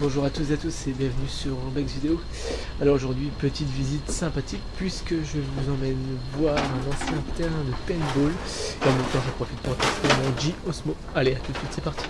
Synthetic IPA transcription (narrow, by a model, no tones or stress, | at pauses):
bɔ̃ʒuʁat̪uszeat̪usebjɛ̃vənysyʁɑ̃bɛɡzvid̪eo | alɔʁoʒuʁd̪ɥipət̪it̪vizit̪sɛ̃pat̪ʰik̚pʰɥiskəʒəvuzɑ̃mɛnvwaʁɛ̃nɑ̃sjɛ̃t̪ɛʁɛ̃d̪əpɛnbol | eɑ̃mɛmt̪ɑ̃ʒəpχɔfit̪̚puʁkast̪emɔ̃ʒiɔsmo | aleat̪ut̪sit̪sɛpaʁt̪i̥